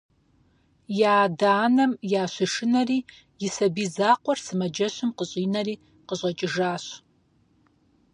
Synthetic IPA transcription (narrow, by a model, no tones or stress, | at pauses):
jaːdaːnɐmjaːɕʷɪʂɨnɐriː | jɪsɐbiːzaːqʷɔrsɨmɐd͡ʒɐɕʷɪmqəɕʼiːnɐɾiː | qəɕʼɐt͡ʃʼɪʒaːɕ